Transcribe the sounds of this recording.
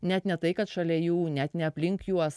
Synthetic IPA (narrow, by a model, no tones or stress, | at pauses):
nʲɛt̪nʲɛt̪ɐɪkɐt̪ʃɐlʲɛjuːnʲɛt̪nʲɛɐpʲlʲɪŋkjuɔs